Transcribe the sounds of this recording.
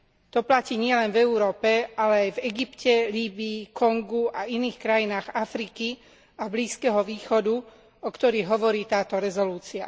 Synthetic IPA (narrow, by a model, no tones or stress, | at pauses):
t̪ɔplaciːɲɪɛlɛnvɛuɾɔːpɛalɛajvɛɡipcɛliːbiːkɔŋɡuainiːxkɾajinaːɣafɾiki | abliːskɛɦɔʋiːxɔd̪u | ɔkt̪ɔɾiːɣɦɔʋɔɾiːt̪aːt̪ɔɾɛzɔluːt͡sia̰